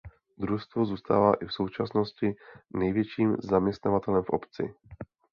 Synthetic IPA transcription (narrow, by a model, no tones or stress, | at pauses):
d̪ɾust̪vozuːst̪a̰ːvaːʔɪfso̞wt͡ʃasno̞scɪnɛjvjɛt͡ʃiːmzamɲɛst̪navat̪ɛlɛmfʔo̰pt͡sɪ̰